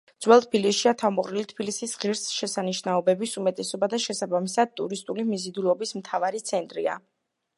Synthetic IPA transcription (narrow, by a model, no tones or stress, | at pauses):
d̪z̥wɛlˠt̪ʰbilisʃiat̪ʰavmɔqʼɾilit̪ʰbilisisʁiɾsʃɛsaniʃnaɔbɛbisumɛt̪ʼɛsɔbad̪aʃɛsabamisad̪̚t̪ʼuɾist̪ʼulimizid̪ulˠɔbismt̪ʰavaɾit̪sʰɛnt̪ʼɾia̰